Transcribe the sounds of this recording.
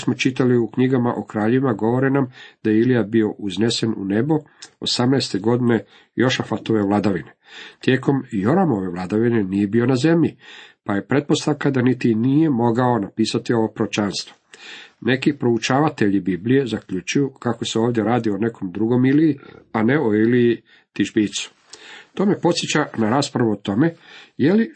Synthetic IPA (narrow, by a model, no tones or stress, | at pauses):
smo̞t͡ʃit̪aliukɲiɡamaʔokɾaːʎeʋimaɡo̞ʋo̞ɾenamd̪̥ajeilijabio̞ʔuzne̞se̞nṵne̞boo̰samnɛjst̪e̞ɡo̞d̪ine̞ | jo̞ʃafat̪o̞ʋe̞ʋlˠad̪aʋine̞t̪je̞ːko̞mjo̞ɾamo̞ʋe̞ʋlad̪aʋine̞nije̞bio̞naze̞mʎipaje̞pɾe̞t̪̚po̞st̪aʋkad̪anit̪inije̞mo̞ɡao̞napiːsat̪io̞ʋo̞pɾot͡ʃanst̪ʋo̥ne̞kipɾout͡ʃaːʋat̪eʎibiblije̞zakʎut͡ʃujukakoseoːʋd̪je̞ɾaːd̪io̞ne̞kʰo̞md̪ɾuɡo̞miliianeoiliji | t̪iʒbiːt̪su̥ | t̪o̞ːme̞po̞t̪sjet͡ɕanaɾaːspɾaʋuot̪o̞me̞je̞li